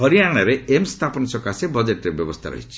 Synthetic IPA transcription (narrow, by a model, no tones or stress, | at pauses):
ɦɔɾijaɽ̃aɾeemst̪ʰapɔnsɔkasebɔd͡ʒeʈɾebjɔbɔst̪ʰa̰ɾɔ̰ɦit͡ʃʰi̥